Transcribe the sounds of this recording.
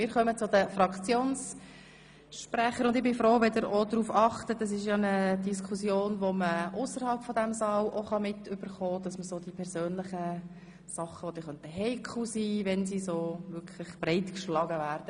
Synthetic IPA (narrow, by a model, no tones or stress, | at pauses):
mɪːɾχœmət͡sʊd̪əfɾɑkt͡sjoːns | ʃpræχəɾʊndɪχbɪfɾoːʋɛd̪əɾod̪ɾuːfɑχt̪ətɑs̬ɪʃjɑnəd̥iskʰusjoːnʋoməʔʊsəɾhɑlpfɔdæmsɑːwʔoχɑmɪtʏb̥əɾχɔːd̥̪ɑsməsod̥ipʰɛɾsøːnlɪχə | sɑχːəʋod̥̪ɪχœntəɦɛɪkʰχusiːʋɛnsisoːʋʏkʰləχb̥rɛɪtkʃlɑɡəʋæːɾd̥ə